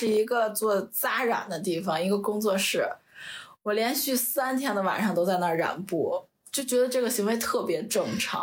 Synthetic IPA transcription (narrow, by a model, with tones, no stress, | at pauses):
ʂɻ̩˥˩i˧˥ɡə˧t͡swɔ˥˧˩t͡sa˥ɻa̰˨˩nd̪ə˦t̪̬i˥˩fɑ˩ŋi˧˥ɡə˧kʊ˥ŋt͡swɔ˥˧ʂɻ̩˥˩ | wɔ˨˩ljɛ˧˥nɕy˥˩sa˥nt̪ʰjɛ˥nd̪ə˧wa̰˨˩nʂɑ˥˧ŋt̪o˥ʊt͡sa˧ɪna˥˩ɻa̰˨˩npu˥˩ | t͡ɕjo˥˩ʊt͡ɕɥɛ˧˥d̪ə˧ʈ͡ʂɤ˥˩ɡə˩ɕi˧˥ŋwe˧˥ɪt̪ʰɤ˥˩pjɛ˧˥ʈ͡ʂɤ˥˩ŋʈ͡ʂʰɑ̰˧˥ŋŋ